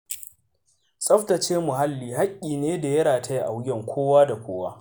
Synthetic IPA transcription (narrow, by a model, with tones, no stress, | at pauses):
sʼɐ˦ɸtɐ˨t͡ʃeː˦mʊ˨ɦa˦lːiː˨ɦa˦kʲʼːiː˨neː˦da˨jɐ˦ɽaː˨tʰa˦ji˦ʔa˨wɡʲɛ˦˨ŋkʷʰoː˦waː˦da˨kʷoː˦waː˦